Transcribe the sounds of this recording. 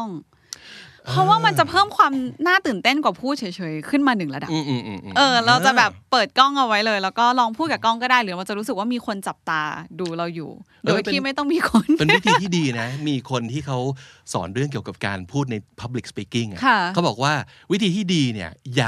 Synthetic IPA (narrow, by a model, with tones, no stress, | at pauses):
ɔ˥˩ŋ | pʰɾɔ˦˥waː˥˩ma˧nt͡ɕa˨˩pʰɤː˥˩mkʰwaː˧mnaː˥˩t̪ɯː˨˩nt̪e˥˩nkwaː˨˩pʰuː˥˩t̪̚t͡ɕʰi˩˦jt͡ɕʰɤː˨˦jkʰɯ˥˩nmaː˧nɯ˨˩ŋla˧da˨˩˧ʔːʔɤː˧ɾa˧wt͡ɕa˨˩bɛː˨˩pːɤː˨˩t̪̚kɔ˥˩ŋʔa˧wa˦˥jlɤː˧jlɛː˦˥wkɔː˥˩lɔː˧ŋpʰuː˥˩t̪̚ka˨˩kɔ˥˩ŋkɔː˥˩daː˥˩jɾɯː˩˦ma˧nt͡ɕa˨˩ɾuː˦˥sɯ˨˩k̚waː˥˩miː˧kʰo˧nt͡ɕa˨˩p̚t̪aː˧duː˧ɾa˧wjṵː˨˩ | doː˧jt̪iː˥˩ma˥˩jt̪ɔ˥˩ŋmiː˧kʰo˧npe˧ni˦˥t̪ʰiː˧t̪i˥˩diː˧na˦˥miː˧kʰo˧nt̪ʰiː˥˩kʰa˦˥wsɔ̰ː˩˦nɾɯ˥˩əŋki˨˩əwka˨˩p̚ka̰ː˧npʰuː˥˩t̪̚na˧jpʰa˦˥p̚li˨˩k̚spiː˦˩ki˥˩ŋʔa̰˨˩kʰa˥˩a˦˥wbɔː˨˩k̚waː˥˩wi˦˥t̪ʰiː˧t̪ʰiː˥˩diː˧ni˦˥˩ɐjaː˨˩